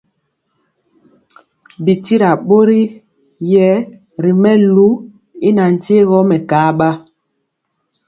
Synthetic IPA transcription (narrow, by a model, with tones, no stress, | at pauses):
bi˨ti˦ɾa˨ɓo˦ɾi˦ | jɛ˦ | ɾi˨mɛ˦lu˦ | i˦na˨n̩˨te˦ɣɔ˦mɛ˨kaː˨˦ɓa˦